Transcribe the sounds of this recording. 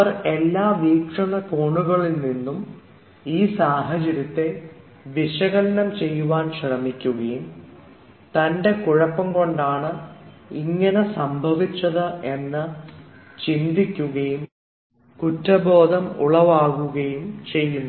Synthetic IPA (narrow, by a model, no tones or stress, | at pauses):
ɐre̞lːaːʋiːkʂɐɳɐkoːɳuɣɐɭilninːum | iːsaːɦɐt͡ɕɐɾjɐt̪ːe̞ | ʋiʂɐɣɐlɐnɐmt͡ɕe̞jːuʋaːnɕrɐmikʲːuɣɐjum | t̪ɐnde̞kuɻɐpːɐmko̞ɳɖaːɳɨiŋːɐne̞sɐmbʱɐʋit͡ɕːɐðɨʔe̞nːɨ | t͡ɕind̪ikʲːuɣɐjum | kutːɐbo̞ːd̪ʱɐmṵɭɐʋaːɣuɣɐjumt͡ɕe̞jːunː